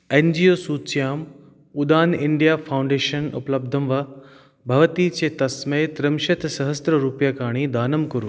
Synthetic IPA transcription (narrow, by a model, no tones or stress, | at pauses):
ẽnd͡ʑijoːsuːt͡ɕjaːm | ʊd̪aːnɪɳɖijaːfʰaʊ̃ɳɖeːʃənṵpləb̚d̪ʱəmʋa | bʱɐʋət̪iːt͡ɕeːt̪ɐsmet̪ɾəmʃɐt̪ʰsɐɦəst̪ɾəɾuːpjakaːɽ̃id̪aːnəmkɐɾu